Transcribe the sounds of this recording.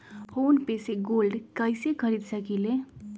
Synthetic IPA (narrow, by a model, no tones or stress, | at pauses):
pʰonpeseɡolɖkʌjsekʰʌɾid̪sʰʌkile